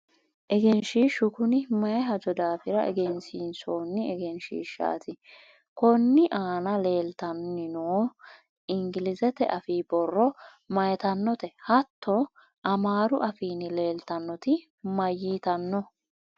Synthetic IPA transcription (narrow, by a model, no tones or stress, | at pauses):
ʔɛɡɛnʃiːʃːʊkʊnɪmɐjɛɦɐd͡ʒɔd̪aːfɪɾɐʔɛ̰ɡɛnsiːnsoːnːɪɛɡɛnʃḭːʃːa̰ːt̪ɪ | kɔnːɪʔaːnɐle̞ːlt̪ɐnːɪnoː | ɪŋɡɪlɪzɛt̪ɛ̰ʔɐfiːbɔrːɔ | mɐjɛt̪ɐnːɔt̪ɛhɐt̪ʰːɔ | ʔɐmaːɾʊʔɐfiːnɪle̞ːlt̪ɐnːɔt̪ɪ | mɐjːiːt̪ɐnːɔ